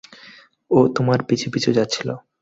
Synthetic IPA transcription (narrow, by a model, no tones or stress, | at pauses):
ot̪omaɾpit͡ɕʰipit͡ɕʰud͡ʑatːɕʰilo̰